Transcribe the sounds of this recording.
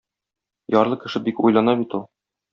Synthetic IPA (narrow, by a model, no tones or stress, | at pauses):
jɒɾlˠɤkɘ̆ʃɘbikṵjlˠɑnɑbit̪ulˠ